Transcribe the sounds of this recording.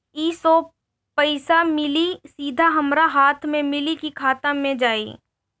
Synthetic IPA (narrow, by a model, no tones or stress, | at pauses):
iːsɔ | pɐɪsamɪlisiːd̪ʱaɦɐmɾaɦaːt̪ʰmẽmɪlikikʰaːt̪əmːẽd͡ʒaːḭː